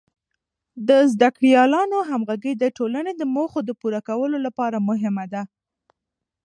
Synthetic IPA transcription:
d̪əzd̪akɽjɑlɑnoɦamɣaɡəjd̪əʈolaned̪əmoxod̪əpuɾakawəlolapɑɾamʊɦɪmad̪a

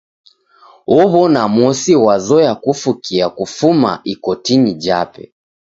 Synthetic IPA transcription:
ɔβɔnamɔsiwazɔjakufukiakufuma̰ʔikɔtinid͡ʒapɛ̰

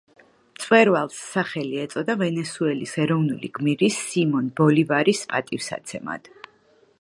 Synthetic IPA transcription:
t̪sʼwɛɾvalˠsːaχɛliɛt̪sʼɔd̪avɛnɛsuɛlisɛɾɔvnulḭɡ̥miɾisːimɔnbɔlivaɾispʼat̪ʼifsa̰t̪sʰɛma̰d̪̥

